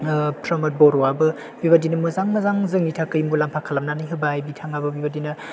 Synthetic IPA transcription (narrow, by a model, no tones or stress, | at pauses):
tɾɐmɐt̚bɔɾɔabɯ | bibadinɐmɯzaŋmɐzaŋzɯŋnitʰakɯjmulampʰakʰalamnanajɦɯbajbitʰaŋabɐbibadinɐ